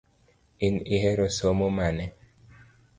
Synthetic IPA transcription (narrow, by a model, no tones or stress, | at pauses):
iniɦɛɾosomomanɛ